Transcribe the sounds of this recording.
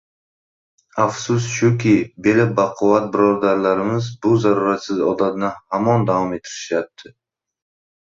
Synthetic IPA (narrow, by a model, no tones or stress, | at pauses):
afsʊsʃʊkʲɪbe̞labaqʰɒvat̪̚bɪɾɒɾd̪aɾlaɾɪmɪzbʊzaɾuɾat̪sɪzɒd̪at̪nɪhamɒnd̪avɒme̞t̪ʰːɪɾɪʃjap̚t̪ʰɪ